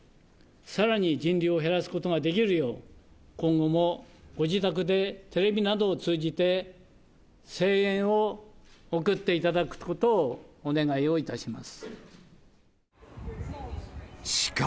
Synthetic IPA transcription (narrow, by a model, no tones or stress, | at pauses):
saɾaɲ̟id͡ʑĩnɾʲio̞ɦe̞ɾasɨ̥ko̞t̪o̞ɡad̪e̞k̬ʲiɾɯ̟jo̞ːkõ̞ŋɡo̞mo̞ɡ̥o̞d͡ʑit̪ak̬ɯ̟d̪e̞t̪e̞ɾe̞bʲinad̪o̞ːt͡sɨːd͡ʑit̪e̞ | se̞ːẽɰ̃ookɯ̟t̪ːe̞it̪ad̪akɯ̟̥ko̞t̪o̞ːne̞ɡaio̞it̪aɕimasɨ̥ | ɕi̥k